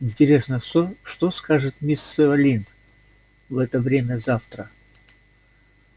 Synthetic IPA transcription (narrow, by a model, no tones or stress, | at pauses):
ɪnʲtʲɪɾʲe̞snəsʲoʂt̪oskaʐɨt̪mʲisːɨvɐlʲin | vɛt̪əvɾʲemʲəzaft̪ɾə